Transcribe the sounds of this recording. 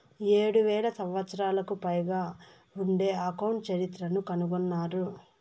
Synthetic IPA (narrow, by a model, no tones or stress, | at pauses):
eːɽuʋɛːlɐsɐmʋɐt̪sɐɾaːlɐkupɐjɡaː | uɳɖe̞ːɐkɐwɳʈt͡ʃɐɾit̪ɾɐnukɐnuɡɔnːaːɾu